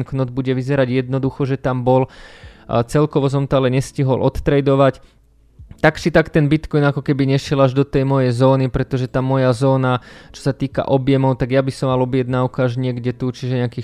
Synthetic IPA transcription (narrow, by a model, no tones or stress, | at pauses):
nknɔd̪̚buɟɛʋizɛɾaɟjɛd̪nɔd̪uxɔʒɛt̪ambɔl | t͡sɛlkɔʋɔs̬ɔmt̪ɔalɛɲɛsciɦɔlʔɔt̪t̪ɾɛjd̪ɔʋac | t̪aksit̪akt̪ɛnbit̪kɔjnakɔkɛbiɲɛʃɪɛlaʒd̪ɔt̪ɛjmɔjɛjzɔːnipɾɛt̪ɔʒɛt̪amɔjazɔːnat͡ʃɔ̥sat̪iːka̰ʔɔbjɛmɔʊt̪aɡjabisɔmːalɔbɪjɛd̪naukaaʒɲɪɛɡɟɛt̪ut͡ʃiʒɛɲɛakiː